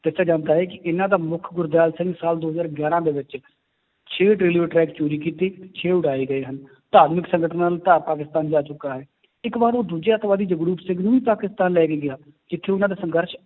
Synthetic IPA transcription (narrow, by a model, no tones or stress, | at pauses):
t̪ɪsaːd͡ʒãːnd̪aːɦɛːkɪʔɪnãːd̪aːmʊkʰɡʊɾd̪aːlsə̃ŋɡsaːld̪oːɦəzaːɾəɡjaːɾãːd̪eːʋɪt͡ʃ | t͡ʃʰeːʈɾeːleːʈɾɛːkt͡ʃoːɾiːkiːt̪eːt͡ʃʰeːʊɽaːeːɡəeːɦən | t̪aːt̪mɪksəŋɡəʈʰənːaːlt̪aːpaːk̬ɪst̪aːnd͡ʒaːt͡ʃʊkːaːɦɛː | ɪkbaːɾoːd̪uːd͡ʒeət̪ʋaːd̪iːd͡ʒəɡɾuːpsɪɡnũːiːpaːkɪst̪aːnlɛːkeːɡɪaː | d͡ʒɪt̪ʰːeːʊnãːd̪aːsəŋɡəɾʃ